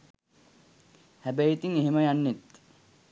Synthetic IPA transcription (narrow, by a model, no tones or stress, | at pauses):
hæbæjit̪iŋeɦeməjanːet̪